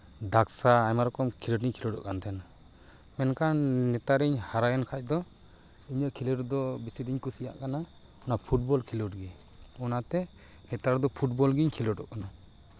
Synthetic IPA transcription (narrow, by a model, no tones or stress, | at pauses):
d̪aksaːjmaɾɔkɔmkʰiləʈiɲkʰilɔɖɔ̰ʔkant̪ʰɛna | mɛnkannɛt̪aɾiɲhaɾajɔnkʰac̚d̪ɔ | iɲəʔkʰiləʈd̪ɔbisid̪iɲkusija̰ʔkana | ɔnapʰuʈ̚bɔlkʰiluʈɡɛ | ɔnat̪ɛ | kɛt̪aɾd̪ɔpʰuʈ̚bɔlɡiɲkʰilɔʈɔ̰ʔkana